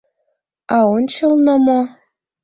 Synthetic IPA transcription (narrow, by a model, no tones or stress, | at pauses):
ɑont͡ɕɤlnɤ̆mo